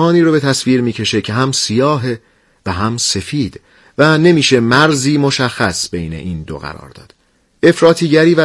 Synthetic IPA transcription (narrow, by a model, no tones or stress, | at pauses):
ɒːniːɾobe̞t̪ʰæsviːɾmiːcʰe̞ʃe̞cʰe̞ɦæmsijɒːɦe | væɦæmse̞fiːd̪̥ | væne̞miːʃe̞mæɾziːmoʃæxːæsbe̞jne̞̰ʔiːnd̪o̰ɣæ̰ɾɒ̰ːɾd̪̥ɒ̰ːd̪̥ | e̞fɾɒːt̪ʰiːɟæɾiːvæ